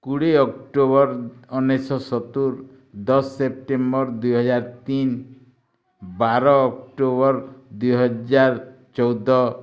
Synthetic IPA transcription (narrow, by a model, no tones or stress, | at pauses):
kuɽeɔkʈobɔɾɔnesɔsɔt̪uɾ | d̪ɔsːep̚ʈembɔɾd̪ujɦɔd͡ʒaɾt̪in | baɾɔːkʈobɔɾd̪ujɦɔd͡ʒaɾ | t͡ʃɔwd̪ɔ